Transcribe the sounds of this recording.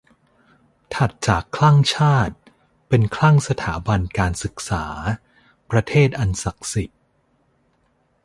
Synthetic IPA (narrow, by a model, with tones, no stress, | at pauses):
t̪ʰa˨˩t̪̚t͡ɕaː˨˩kʰːlaː˥˩ŋt͡ɕʰaː˥˩t̪̚ | pe˧nkʰla˥˩ŋsa˧t̪ʰaː˩˦ba˧nkaː˧nsɯ˨˩k̚saː˩˦ | pɾa˧t̪ʰeː˥˩t̪̚ʔa˧nsa˨˩k̚si˨˩t̪̚